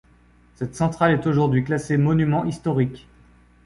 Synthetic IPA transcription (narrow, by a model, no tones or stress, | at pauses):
sɛt̪sɑ̃t̪χalɛt̪oʒuʁd̪ɥiklasemɔnymɑ̃ʔist̪ɔʁikʲ